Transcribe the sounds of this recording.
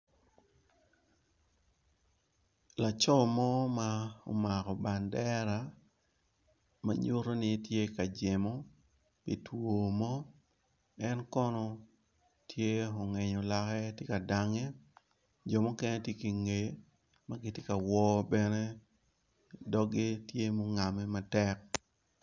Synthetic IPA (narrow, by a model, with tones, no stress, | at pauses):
la˨t͡ʃɔ˦mɔ˦ma˦o̰˨ma˨kɔ˨ba˨ndɛ˦ɾa˨ | ma̰˨ɲʊ˦ɾo˦nɪ˦tje˦ka˨d͡ʒe˨mo˦ | pi˨two˨mɔ˦ | ɛ˦nkɔ˦nɔ˦ | tʰje˦ɔ˨ŋɛ˨ɲɔ˨la˦kɛ˦tje˦ka˨da˦ŋɛ˦ | d͡ʒɔ˨mo˦kɛ˦ne˦tje˦ki˨ŋe˨ | ma˨ɡɪ˦tje˦ka˨wɔ˦bɛ˦ne˦ | dɔ˦ɡi˦tje˦mo˦ŋa˨mɛ˦ma˦tɛ˦k̚